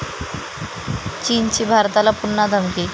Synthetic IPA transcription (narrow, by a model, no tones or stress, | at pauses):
t͡ɕiːnt͡ɕiːbʱaɾt̪alapunːad̪ʱəmki